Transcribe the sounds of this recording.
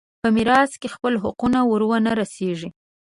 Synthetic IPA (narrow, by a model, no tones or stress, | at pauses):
pəmiɾɑskexpəlɦʊqunawəɾwanaɾaseʒi